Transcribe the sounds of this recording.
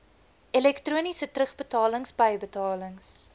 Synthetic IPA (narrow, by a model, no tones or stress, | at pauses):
ɛlɛktruːnisətrəχbətɑːləŋsbəjbətɑːləŋs